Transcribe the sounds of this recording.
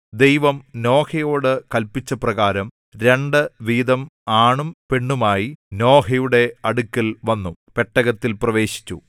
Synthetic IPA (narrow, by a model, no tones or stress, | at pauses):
d̪ejʋɐmno̞ːhɐjo̞ːɽɨkɐlpit͡ɕːɐprɐɣaːɾɐm | ɾe̞ɳɖɨʋiːd̪ɐmaːɳumpe̞ɳːumaːjino̞ːɦɐjuɽe̞ɐɽukʲːɐlʋɐnːupeʈːɐɣɐt̪ːilprɐʋe̞ːɕi̥t͡ɕːṵ